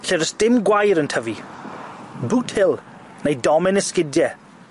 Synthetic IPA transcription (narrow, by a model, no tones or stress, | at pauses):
ɬɛɾəsd̥ɪmɡwajɾəntʰəvi | butʰhɪlˠ | nejdɔmɪnəskɪdjɛ